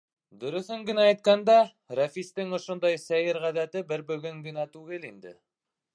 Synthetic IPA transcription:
d̪ɵ̆ɾɵ̆θɘŋɡɘ̆næːjt̪̚kænd̪æ | ræfist̪ɘŋŏʃŏnd̪ɑjsæjɘɾʁæðæt̪ɘbɘɾbɵ̆ɡɵŋɡɘ̆næt̪ʉɣɘlind̪ɘ̰

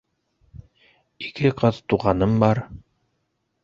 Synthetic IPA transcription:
ikɘqɑt̪t̪uʁɑnɤmbɑɾ

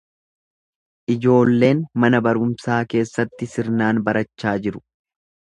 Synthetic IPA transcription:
ʔɪd͡ʒo̞ːlːe̞ːnmɐnɐbɐɾʊmsaːke̞ːsːɐt̪ːɪsɪɾnaːnbɐɾɐt͡ʃːaːd͡ʒɪɾʊ̥

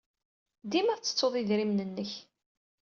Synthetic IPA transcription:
d̪imæɾt͡sːə̥t͡sːoðˤiðɾimnənːəç

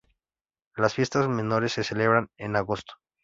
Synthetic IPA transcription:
lasfje̞st̪azme̞no̞ɾe̞sːe̞se̞le̞βɾanenaɣost̪o̥

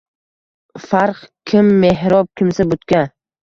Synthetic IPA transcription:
faɾqkʲʰɪmːeɦɾɒp̚kʲʰɪmsabʊt̪kʲa

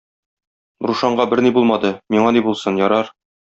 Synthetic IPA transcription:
ɾuʃɑɴɢɑbɘɾnibulˠmɑd̪ɤmiɴɑnibulˠsɤnjɒɾɑɾ

